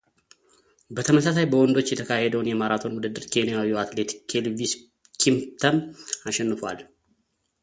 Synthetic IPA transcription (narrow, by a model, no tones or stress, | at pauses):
bət̪ʰəməsasajbəwɔnd̪o̞t͡ʃːjɛt̪ʰəkʰahed̪əwunjɛmaɾat̪ʰo̞nwud̪ɨd̪ːɨɾkʰe̞nijawiat̪le̞t̪kʰelvis | kʰimt̪ʰəmaʃɛnːɨfwa̰l